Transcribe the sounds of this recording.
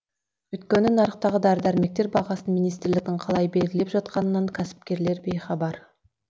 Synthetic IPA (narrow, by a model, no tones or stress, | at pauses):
wɵjt̪kʲenɪnɑɾəqt̪ɑʁəd̪æɾd̪æɾme̞k̚t̪e̞ɾbɑʁɑsənminijst̪ɪɾlɪk̚ʲt̪ɪɴqʰɑlˠɑjbe̞lɡʲɪlepʒɑt̪̚qɑnənːɑɴkʲʰæsɪ̥p̚kʲe̞ɾle̞ɾbe̞jχɑbɑɾ